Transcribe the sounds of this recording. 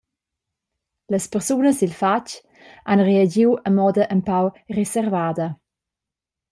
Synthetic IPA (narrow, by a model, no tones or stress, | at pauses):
ləspərsunəsilfat͡ʃ | anreəd͡ʒiwəmɔd̪əʔəmpawresɛrvaːd̪ə